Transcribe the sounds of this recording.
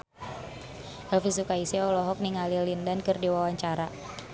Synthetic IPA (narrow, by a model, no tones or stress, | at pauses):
ʔɛlfisukaisiɔlɔɦɔk̚niŋalilindankərdiwawaɲt͡ʃaɾa